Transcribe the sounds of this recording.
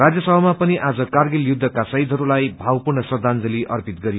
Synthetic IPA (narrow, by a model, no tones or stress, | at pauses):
rad͡zjʌsʌbʱʌmapʌniʔad͡zʌkarɡiljud̪ʱːʌkasʌɦid̪ʱɦʌɾulajbʱawpurnʌsʌd̪ʱand͡zʌliʔʌ̰rpit̪̚ɡʌɾi